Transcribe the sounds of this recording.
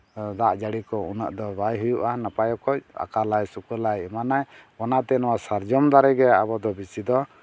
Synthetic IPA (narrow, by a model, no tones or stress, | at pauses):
d̪aʔd͡ʒaɽikɔunə̰ʔd̪ɔbajɦujuʔanapajɔkɔa̰kalajsukulajɛmanajɔnat̪ɛnɔwasaɾd͡ʒɔmd̪aɾɛɡɛa̰bɔd̪ɔbisid̪ɔ